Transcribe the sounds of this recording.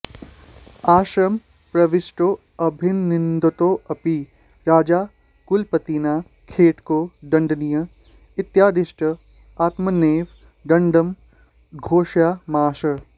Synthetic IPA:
aːʃɾɐm | pɾɐʋɪsʈoː | ɐbʱɪnːɪnd̪ot̪oːɐpi | ɾaːd͡ʒaː | kʊlpɐt̪iːnaː | kʰeːʈkoːɖɐ̃ɳɖnijə | ɪt̪jaːd̪ɪʃʈə | aːt̪mɐneːʋ | ɖɐ̃ɳɖəm | ɡʱoːʃjaːmaːʃə

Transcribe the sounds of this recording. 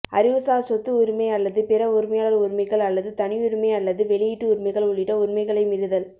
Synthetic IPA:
ɐɾɪʋɯsaːsɔt̪ːɯʊɾɯmɐɪɐlːɐðɯpɪɾɐʊɾɪmɐjaːɭɐðɯʊɾmɐɪɣɐɭɐlːɐðɯt̪ɐnɪjʊɾɯmɐɪɐlːɐðɯʋɛɭɪjɪʈːɯʊɾɪmɐɪɣɐɭʊɭːɪʈːɐʊɾmɐɪɣɐɭɐɪmɪɾɯðɐl

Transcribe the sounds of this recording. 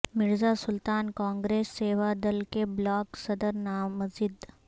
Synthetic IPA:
mɪɾzasʊlt̪aːnkãːŋɡɾeːsːeːʋad̪ɐlkeblɔːksɐd̪əɾnaːɐzɪd̪

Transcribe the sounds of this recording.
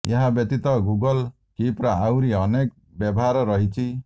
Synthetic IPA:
jeɦabjɔt̪it̪ɔɡuɡɔl | kipɾɔawɾiɔnek | bjɔbɔɦaɾɔɾɔɦit͡ʃʰi

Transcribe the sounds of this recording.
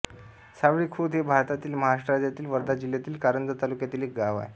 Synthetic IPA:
saʋɭiːkʰud̪ɦebʱaɾt̪at̪iːlməɦaʂʈəɾad͡ʑ̪jat̪iːlʋəɾd̪ad͡ʑiljat̪iːlkaɾənd͡z̪ət̪alukjat̪iːlek̚ɡaʋa̰j

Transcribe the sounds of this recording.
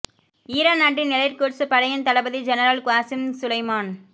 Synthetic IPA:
iːɾaːnaːʈːɪnɪlɐɪɾkoːɾsɯpɐɽɐjɐnt̪ɐlɐbɐðid͡ʒɛnɐɾɐlkʊaːsɪmsʊlɐɪmaːn

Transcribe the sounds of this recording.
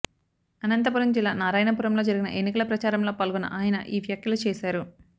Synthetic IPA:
ɐnɐnt̪ɐpuɾɐmd͡ʒilːaːnaːɾaːjnɐpuːɾɐmlo̞ːd͡ʒɐɾiɡinɐ̰ʔe̞nːikɐlɐpɾɐt͡ʃaːɾɐmlo̞ːpaːlɡunɐ̰ʔaːjɐnɐ̰ʔiːʋjaːkjɐlut͡ʃɛːʃaːɾu

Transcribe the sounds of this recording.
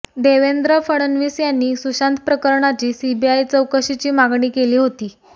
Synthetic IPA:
d̪eʋend̪ɾəfəɽənʋiːsjanːiːsuɕant̪pɾəkəɾɳat͡ɕiːsibiajt͡səwkəɕit͡ɕiːmaɡɳiːkeliːɦot̪iː

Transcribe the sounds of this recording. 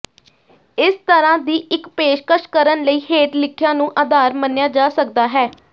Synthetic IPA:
ɪst̪əɾãːd̪iːʔɪkpeːʃkəʃkəɾənləiːɦeːʈlɪkʰɪjãːnũːʔəd̪aːɾmənːjaːd͡ʒaːsəkd̪aːɦɛː

